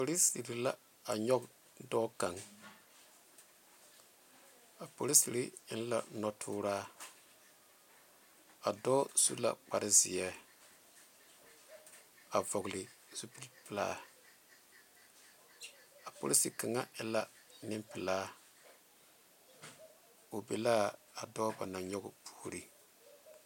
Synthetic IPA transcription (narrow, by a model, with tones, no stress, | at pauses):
po˨li˦si˨ɾi˨la˦ | a˨ɲɔ˦k | dɔː˦ka˨ŋ | a˨po˨li˦si˨ɾi˦ɪ˦n˦la̰˨nɔ˦tʰuː˦ɾaː˦ | a˨dɔː˦sṵ˦la̰˨k͡pa̰˨ɾɪ˦zɪ̰˨jɛ˦ | a˨vɔ˨ɣʊ˨lɪ˨z̥u˦pi˦lpɪ˨la̰ː˦ | a˨po̰˨li˦si˨ka˨ŋa˦ɪ˦la˦ | nɪ˦mpɪ˨laː˦ | o˨be˨laː˦a˨dɔː˦ba˨na˨ɲɔ˦ɡʊ˨pʰu̥ː˨˦˨ɾi˦